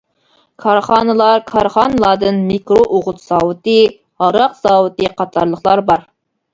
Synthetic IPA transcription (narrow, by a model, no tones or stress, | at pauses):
kʰɑɾχɑːnɨlˠɑɾkʰɑɾχɑːnɨlˠɑɾd̪ɨnmikɾoʔoʁʊt̪z̥ɑwɨt̪ɨ | hɑɾɑqz̥ɑːwɨt̪ɨqɑt̪ʰɑɾlˠəχlˠɑɾbɑɾ